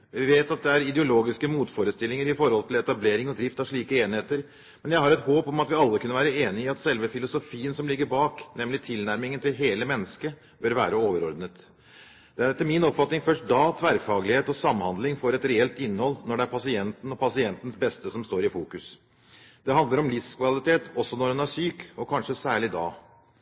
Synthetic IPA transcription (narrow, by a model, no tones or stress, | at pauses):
ʋɪʋeːt̪ɑt̪̚d̪ɛæɾɪd̪ɛʊloːɡɪskəmuːt̪foːɾəst̪ɪlːɪŋəɾɪfɔɾhɔlt̪ʰɪlɛt̪ɑbleːɾɪŋɔd̪ɾɪft̪ɑʂɭiːkəeːnheːt̪əɾ | mɛnjæɪhɑɾɛt̪hoːpɔmɑt̪ʋɪɑlːəkʰʉnːəʋæːɾəeːnɪɑt̪sɛlʋəfɪlʊsʊfiːənsɔmlɪɡːəɾbɑːknɛmlɪt̪ʰɪlnæɾmɪŋənt̪ɪlɦeːləmɛnːəskə | bœɾʋæ̰ːɾəoːʋəɾɔɾd̪nət̪ | d̪̥ɛæɖɛt̪ːəmɪnɔpfɑt̪nɪŋfœʂʈ̚d̪ɑːt̪ʰʋæɾfɑːɡlɪheːt̪ɔsɑmːhɑnd̪lɪŋfɔɾɛt̪ɾɛɛlt̪ɪnːhɔlːnɔɖɛæɾpʰɑsɪɛnt̪n̩ɔpʰɑsɪɛnt̪n̩sbɛst̪əsɔmst̪oːɾɪfuːkʉs | d̪̥ɛɦɑnd̪əɾɔmlɪfskʋɑlɪt̪eːt̪ɔsːɔnɔhɛnæʂyːkɔkʰɑnʂəsæːɭɪd̪ɑ̰ː